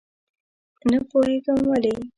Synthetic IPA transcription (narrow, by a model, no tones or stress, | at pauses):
napoheɡəmwale